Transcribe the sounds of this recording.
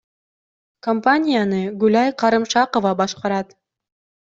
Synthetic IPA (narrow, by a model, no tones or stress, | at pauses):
kompanʲɪjanɯɡʉlʲɑjqʰɑɾɯmʃɑqovɑbɑʃqɑɾɑt̪